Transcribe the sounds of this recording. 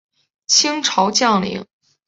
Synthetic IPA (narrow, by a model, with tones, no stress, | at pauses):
t͡ɕʰi˥ŋʈ͡ʂʰɑ˧˥ʊt͡ɕjɑ˥˩ŋlḭ˧˥ŋ